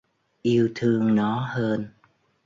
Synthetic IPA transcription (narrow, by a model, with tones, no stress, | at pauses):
ʔi˧əwt̪ʰɨ˧əŋnɔ˨˦həː˧n